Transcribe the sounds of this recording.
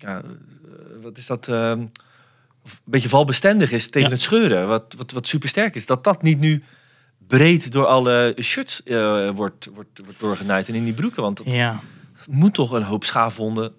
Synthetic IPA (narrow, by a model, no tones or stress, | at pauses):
ja | ʋɑtɪsdɑt | ɔfbetəvɑlˠbəstɛndəχɪsteənɦətsχøːɾəʋɑtʋɑtʋɑtsypəɹstɛɹkɪsdɑt̚dɑtnitny | brejtdʊːɹɑləʃøtsəʋɔɹtʋɔɹtʋɔɹt̚d̥ʊːɹχənɛjtɪnɪndibrykəʋɑntd | mutːɔχənɦowpsχaːvɔndə